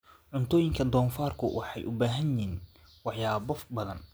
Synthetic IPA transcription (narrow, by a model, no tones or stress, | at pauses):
ʕʊnt̪ʰɔːjɪŋkʰɐd̪ɔːnfaːrkʰʊ̰wʔɑħɑjʔʊbaːɦɐjɪiːn | wɑħjaːbɔbɐðɐn